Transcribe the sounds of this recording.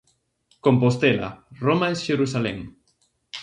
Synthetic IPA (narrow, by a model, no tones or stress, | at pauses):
kompost̪ela̰romaesʃeɾusalɛ̰ŋ